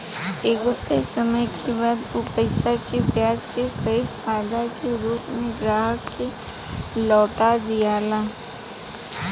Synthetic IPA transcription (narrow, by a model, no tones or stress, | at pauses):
eːɡʊft̪esɐməjkʰebaːd̪ʊpəɪsakepjaːd͡ʒkesɐɦɪd̪faːjd̪akeɾuːpnẽɡɾaːɦəkːe | lɔːʈad̪ijaːlaː